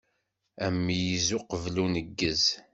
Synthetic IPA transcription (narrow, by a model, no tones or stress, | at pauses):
æmːijizʊqəvlunəɡːəz